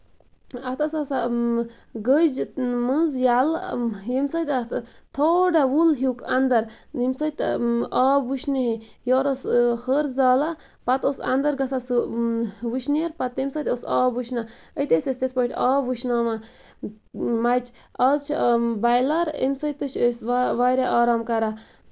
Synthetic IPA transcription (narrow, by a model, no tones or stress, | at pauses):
ɐt̪ʰɐsɐsa | ɡəd͡ʒmənzjaljemsɐt̪ʲt̪ʰoɖawulɦukand̪ɐɾ | imsɐt̪ʲaːbuʃniɦe | joːɾoshəɾzaːla | pɐt̪osɐ̰nd̪ɐɾɡɐsas | ʋuʃʰneɾpɐt̪emʲsɐt̪osaːbuʃna | ət̪esʲesʲt̪et̪̚ʰpɐʈʲaːbuʃnaːma | mat͡ʃ | azt͡ʃʰbajlɐɾḛmsət̪ət͡ʃʰesʋaɾaʔaːɾaːmkɐɾa